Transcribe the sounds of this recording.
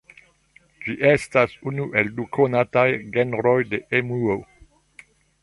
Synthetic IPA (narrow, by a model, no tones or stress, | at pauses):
d͡ʒiʔestasunuʔe̞ldukʰonatajɡenɾojde̞ʔemuo